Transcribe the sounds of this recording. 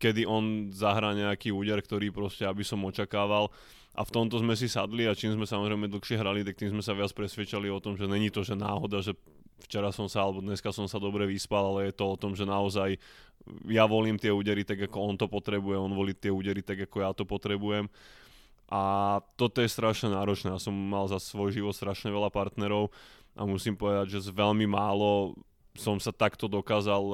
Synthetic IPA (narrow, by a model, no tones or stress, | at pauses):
kɛd̪iʔɔnzaɦɾaːɲɛakiːuːɟɛɾkt̪ɔɾiːpɾɔscɛabisɔmɔt͡ʃakaːʋal | ʔa̰ft̪ɔmt̪ɔzmɛs̬isad̪liat͡ʃiːmzmɛsamɔzɾɛɪmɛd̪l̩xʃɪɛɦɾalit̪ak̚t̪imzmɛsaʋɪat͡spɾɛsʋɪɛt͡ʃaliɔt̪ɔmʒɛɲɛɲit̪ɔʒɛna̰ːɦɔd̪aʒɛ | ft͡ʃɛɾasɔmsaalɛbɔd̪ɲɛskasɔmsad̪ɔbɾɛʋispalˠalɛjɛt̪ɔɔt̪ɔmʒɛnaɔzaj | jaʋɔliːmt̪ɪɛuːɟɛɾit̪aɡakɔɔnt̪ɔpɔt̪ɾɛbujɛɔnʋɔliːt̪ɪɛuːɟɛɾit̪aɡakɔjat̪ɔpɔt̪ɾɛbujɛm | ʔat̪ɔt̪ɔjɛst̪ɾaʃɲɛnaːɾɔt͡ʃnɛjasɔmːalzasʋɔjʒiʋɔt̪st̪ɾaʃɲɛʋɛʎapaɾt̪nɛɾɔʊ | ʔa̰musimpɔʋɛd̪aɟʒɛzʋɛʎmimaːlɔ | sɔmsat̪akt̪ɔd̪ɔkaːzal